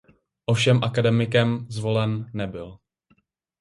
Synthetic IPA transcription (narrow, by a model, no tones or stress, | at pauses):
ʔofʃɛmʔakadɛmɪkɛmzvo̞lɛnːɛbɪl